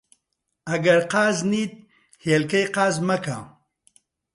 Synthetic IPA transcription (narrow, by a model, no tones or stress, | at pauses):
ɐɡɐɾqɑːzniːt̪̚ | helkɐjqɑːzmɐka̰